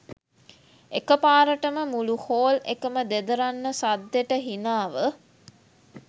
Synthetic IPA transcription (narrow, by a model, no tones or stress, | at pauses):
ekəpaːɾəʈəməmuluhoːlḛkəməd̪ed̪əɾanːəsad̪ːeʈəɦinaːʋə